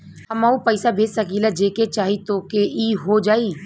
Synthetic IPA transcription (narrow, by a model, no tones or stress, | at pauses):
ɦɐmaupəɪsabʱeːd͡ʒsɐkilad͡ʒeːket͡ʃaːɦit̪oːkeiːɦod͡ʒaːiː